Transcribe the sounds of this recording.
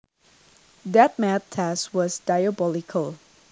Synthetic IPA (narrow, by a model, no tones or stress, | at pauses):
d̪ɛt̚mæt̚tʰɛswɔsdajəbɔlɪkʰəlˠ